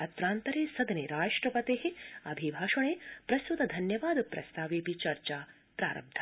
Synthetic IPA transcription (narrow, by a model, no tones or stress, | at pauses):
ɐt̪ɾaːnt̪ɐɾeːsɐd̪ɐneːɾaːʂʈɾɐpɐt̪eːɦeɐbʱibʱaːʂɐɳ̃eːpɾɐsud̪ɐd̪ʱɐnjɐʋaːd̪pɾɐ̰st̪ʰaːʋeːpit͡ʃɐɾt͡ʃaː | pɾa̰ːɾɐ̰b̚d̪ʱʰɐ